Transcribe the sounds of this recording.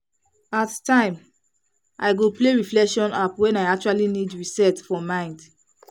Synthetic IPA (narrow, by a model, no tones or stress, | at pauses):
attãɪ̃m | ʔa̰ɪɡopleɹiflɛkʃɔ̃napwɛ̃naɪak̚t͡ʃualinidɹisɛtfɔmãɪ̃nd